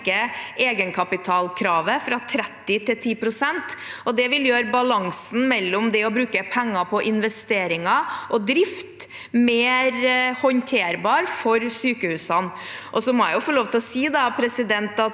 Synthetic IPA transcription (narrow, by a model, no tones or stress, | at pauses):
kəeːɡənkʰɑpɪt̪ʰɑːlkʰɾɑːʋəfɾɑt̪ʰɾɛt̪ːɪt̪ɪlt̪ʰiːpɾʊsɛnt̪ʔɔd̪ɛʋɪljøːɾbɑlɑŋsn̩mɛlːɔmd̪ɛɔbɾʉːkəpʰɛŋːɑpʰɔʔɪnʋɛst̪eːɾɪŋɑʔɔd̪ɾɪft̪ | meːɾhɔnt̪ʰeːɾbɑːɾfɔɾsyːkəhʉːsɑn | ʔɔsɔmɔæ̰jʊfɔɭoːʋt̪ɪlɔsiːd̪ɑpʰɾɛsɪd̪ɛnt̪ɑt̪